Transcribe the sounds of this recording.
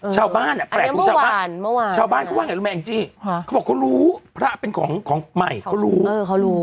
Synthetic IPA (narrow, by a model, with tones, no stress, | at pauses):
t͡ɕʰaː˧wbaː˥˩nʔa˧˩pɾɛː˨˩˧m˦˧t͡ɕaː˧˩abaː˥˨˩nm˥˩waː˧t͡ɕʰaː˧wbaː˥˩nkʰːwaː˥˩ŋ˨˩ɾu˦˥mɛ˧˨i˧˦t͡ɕi˧ŋʰkʰbɔː˨˩kʰoː˧˥ɾuː˦˥pʰɾa˦˥pe˧nkʰɔː˩˦ŋkʰɔː˩˦ŋma˨˩jkʰa˦˥wɾuː˦˥˧a˦ɾuː˦˥˦